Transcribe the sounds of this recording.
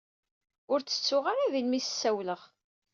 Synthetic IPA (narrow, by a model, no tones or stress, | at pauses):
ʊɾt͡sːə̥t͡sːʊʁaɾaðilmisə̥sːæwləʁ